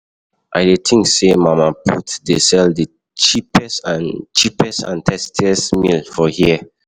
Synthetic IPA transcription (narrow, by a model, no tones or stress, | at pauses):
ʔaɪdetʰĩŋksemãmapʰutdesɛldi | t͡ʃipɛsãnt͡ʃipɛsã̰ntʰɛstʰiɛsmilfɔhiə